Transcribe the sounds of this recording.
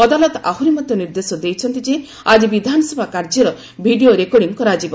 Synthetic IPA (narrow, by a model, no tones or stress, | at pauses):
ɔd̪alɔt̪aɦuɾimɔt̪jɔniɾd̪esɔd̪ejt͡ʃʰɔnt̪id͡ʒe | ad͡ʒibid̪ʱanɔsɔbʱakaɾd͡ʒɔɾɔ | bʱiɖioɾekoɽiŋkɔɾad͡ʒibɔ